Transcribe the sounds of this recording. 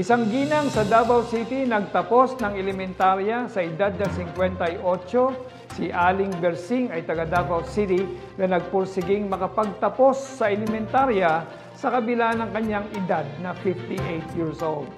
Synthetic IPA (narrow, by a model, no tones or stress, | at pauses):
ʔɪsaŋɡiːnɐŋsɐd̪aːbɐwsit̪inɐɡ̚t̪ɐpo̞snɐŋɛlɛmɛnt̪aɾjɐsɐʔɪd̪ad̪̚nɐsɪŋkwɛnt̪ɐjʔo̞t͡ʃo̞ | sɪʔaːlɪŋbɛɾsɪŋɐjt̪ɐɡɐd̪abɐwsit̪ɪ | nɐnɐɡ̚pʊɾsɪɡɪŋmɐkɐpɐɡ̚t̪ɐpo̞sːɐʔɛlɛmɛnt̪aɾjɐ | sɐkɐbɪlanɐŋkɐɲːaŋʔɪd̪ad̪̚nɐfɪft̪iʔejt̪̚jiɹsʔold̪̚